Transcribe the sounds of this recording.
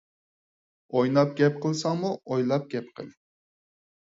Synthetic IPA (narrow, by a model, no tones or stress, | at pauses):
ojnɑp̚ɡʲɛp̚qʰəlˠsɑŋmuojlˠɑp̚ɡʲɛp̚qʰə̰lˠ